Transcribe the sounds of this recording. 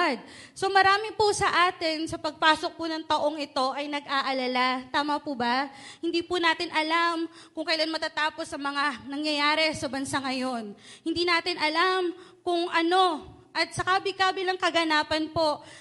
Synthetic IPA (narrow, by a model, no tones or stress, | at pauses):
d̪̚so̞mɐɾaːmɪpʊsɐʔaːt̪ɪnsɐpɐɡ̚paːsok̚pʊnɐŋt̪ɐʔo̞ŋɪt̪o̞ʔɐjnɐɡʔaʔɐlɐlat̪aːmɐpubɐhɪnd̪iːpʊnaːt̪ɪnʔɐlam | kʊŋkɐjlanmɐt̪ɐt̪aːpo̞sɐŋmɐŋanɐŋjɐjaːɾɛsɐbɐnsaŋɐjo̞nhɪnd̪iːnaːt̪ɪnʔɐlamkʊŋʔɐno̞ | ʔɐt̪̚sɐkaːbɪkaːbɪlɐŋkɐɡɐnaːpɐnpo̞